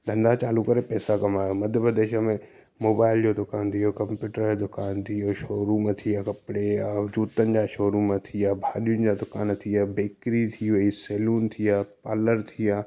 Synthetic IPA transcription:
d̪ʱɐ̃nd̪at͡ɕaːlukɐɾepɛːsakɐmaːjomɐd̪ʱjəpɾəd̪eːʃəmẽ | moːbaːɪld͡ʑod̪ʊkaːnt̪ʰijokɐ̃mpjuːʈəɾod̪ʊkaːnt̪ʰijoʃoːɾumãt̪ʰijakɐpɽead͡ʑuːt̪ənɪ̆d͡ʑaʃoːɾumãt̪ʰijaːbʱaːɗijʊnɪ̆d͡ʑad̪ʊkaːnt̪ʰijabeːkɾit̪ʰiʋɐiseːluːnt̪ʰijaːpaːləɾt̪ʰijaː

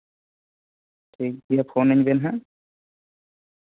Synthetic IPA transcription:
tʰik̚dijapʰonaɲbɛnɦa

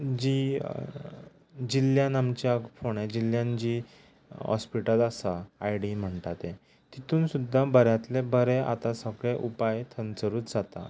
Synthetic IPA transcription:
d͡ʑiː | d͡ʑiljãnamt͡ɕjafoɳ̃ẽd͡ʑiljãnd͡ʑiː | ɦɔ̰spiʈəlasaajɽim̤əɳt̪at̪ẽ | t̪it̪uːnsud̪ʱːabəɾjãt̪lebəɾeʔa̰t̪ãsəɡɭeʔupajt̪ʰənt͡səɾuːt͡sd͡zat̪a̰

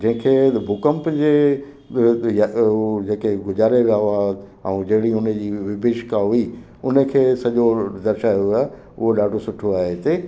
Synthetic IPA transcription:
d͡ʑɐ̃ɦɪ̃kʰeːbʱʊkəmpd͡ʑeː | jad͡ʑeːkeɡʊzaːɾeʋiaːa | ɛ̰̃ũːd͡ʑɐɦɪɽiʊnəd͡ʑiːʋɪbʱeʃkaɦʊi | ʊnə̆kʰeːsɐʄod̪ɐɾʃajoɦaː | ʊ̰ɦoɗaːɖʱosʊʈʰoaːɦet̪eː

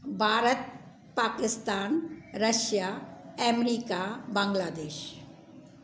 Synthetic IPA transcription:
bʱaːɾət̪̚ | paːkɪst̪aːnɾɐʃjaɛːmɾiːkabɐ̃ŋɡlaːd̪eːʃ

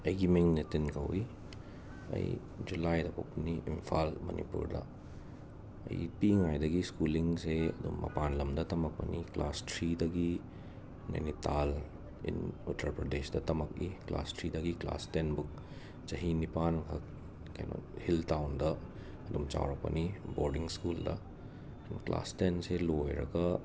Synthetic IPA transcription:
ɐɡimeŋnetinkʰɐ̰wi | ɐ̰j | d͡ʒulajdɐpʰok̚pɐniʔimpʰalmɐ̰nḭpṵɾdɐ̰ | ɐ̰jpiŋajdɐɡiskuliŋseɐdumːɐ̰panlɐmdɐtɐmɐk̚pɐ̰niklastɾidɐɡi | nḛnital | ḭnutʰɐɾpɾɐdesdɐtɐmɐk̚ikla̰stɾidɐɡikla̰stenbuk̚ | t͡ʃɐɦinipankʰɐk̚ | kɐ̰jno̰hiltawndɐ | ɐdumt͡ʃa̰wɾɐk̚pɐ̰niboɾdiŋskuldɐ | nkla̰stenselojɾɐ̰ɡɐ

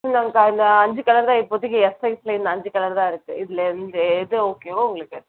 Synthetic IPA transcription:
naŋkɐɪnd̪ɐɐɲd͡ʒɯkɐɭɐɾðãːɪpːɔt̪ːɯɣeɛsɐɪsɪlɐɪnd̪ɐɐɲd͡ʒɯkɐɭɐɾðãːɪɾɯkːɯɪðɪlɛnd̪ɐɛðɯoːkeːoʊŋɡɐɭɯkːɐ

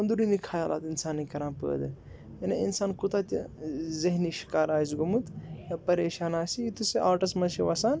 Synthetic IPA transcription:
ɐnd̪uɾinikʰaːjaːla̰ːt̪insaːnːikɐɾãːnpə̰ːd̪ɨ | ɐnḛinsaːnkut̪at̪ʲzɐɦniːʃi̥kaːɾaːzɡumut̪ɐpɐɾeːʃaːnaːsiit̪useʔaːɾʈɐsmɐnʃiʋasaːn

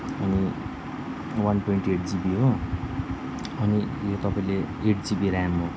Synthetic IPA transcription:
ʌni | wanpoiɳʈeʈd͡zibiɦo | ʌnijot̪ʌpaĩle | eʈd͡zibiɾajmɦo

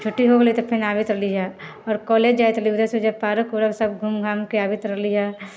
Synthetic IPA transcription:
t͡ʃʰoʈːiɦoɡəlit̪opʰɪnaːbɪt̪ɾɐliɦa | ɔːɾkɔːleːd͡ʒd͡ʒaːjt̪ɐliud̪esed͡ʒɐbpaːɾəkoɾɐbsɐb̚ɡʱumɡʱaːmkiaːbɪt̪ɾɐɦliɦaː

